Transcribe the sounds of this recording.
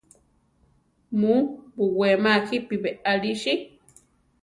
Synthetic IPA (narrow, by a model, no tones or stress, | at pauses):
mubuwemaxipiβeʔaɺiʃi